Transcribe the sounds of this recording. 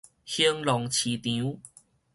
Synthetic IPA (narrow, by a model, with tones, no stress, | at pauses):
hi˧˦ŋlɔ˨˦ŋt͡ɕʰi˨˦t̪ĩ˨˦